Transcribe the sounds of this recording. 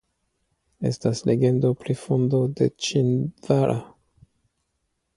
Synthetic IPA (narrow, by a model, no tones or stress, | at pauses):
e̞̰stasleɡe̞ndo̞pɾifondo̞de̞̰t͡ʃinvaɾʔa